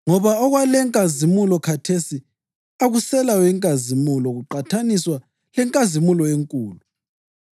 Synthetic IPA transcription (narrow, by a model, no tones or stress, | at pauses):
ŋɔβaɔɣwalɛŋkʼazimulɔkʰatʰesi | aɣusɛlajwɛŋkʼazimulɔɣuǃatʰaniswa | lɛŋkʼazimulɔeŋkʼuːlu